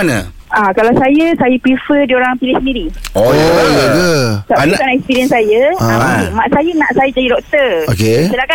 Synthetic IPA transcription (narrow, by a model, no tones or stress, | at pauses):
nə̰ | ʔakalawsajəsajəpifədioɾaŋpilɪhsəndiɾiojaɡətaʔikanaɛkspiɾiənsajəaamaʔsajənaʔsajad͡ʒadidɔk̚t̪əokesəlaka